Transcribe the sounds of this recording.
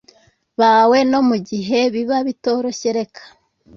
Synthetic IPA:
βawe̞no̞muɟiɦe̞βiβaβito̞ɾo̞çeɾe̞kʰḁ

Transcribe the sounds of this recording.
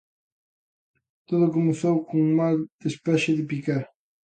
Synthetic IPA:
t̪oðʊkomeθowkoŋmald̪espɛʃɪðɪpikaɾ

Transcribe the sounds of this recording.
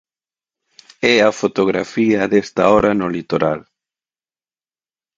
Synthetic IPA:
ɛɐfot̪oɣɾa̰fiɐðɛst̪aɔɾɐnʊlit̪oɾal

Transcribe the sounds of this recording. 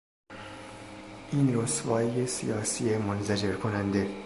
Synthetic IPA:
ʔiːnɾosvɒːjesḭjɒːsiːemonzæd͡ʒe̞ɾkʰonænd̪e̞

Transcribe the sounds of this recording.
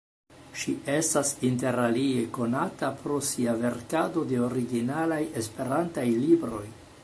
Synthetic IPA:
ʃiʔe̞stasinte̞ɾalie̞ko̞natapɾo̞siave̞ɾkado̞de̞o̞ɾiɡinalaje̞spe̞ɾantajlibɾo̞j

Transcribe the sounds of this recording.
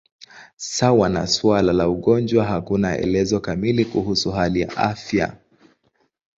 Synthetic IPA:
sawana̰sualalauɠɔnd͡ʒwaɦakunaɛ̰lɛzɔkamilikuhusuɦalija̰ʔafja̰

